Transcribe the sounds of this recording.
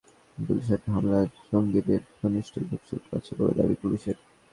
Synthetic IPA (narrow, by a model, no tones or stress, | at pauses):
puliʃaʈiɦamlaeʃoŋɡit̪eɾt̪ʰoniʃʈʰibʱupsṵʈ̪ka̰t͡ɕʰebo̰bḛd̪a̰bḭpuliʃeɾ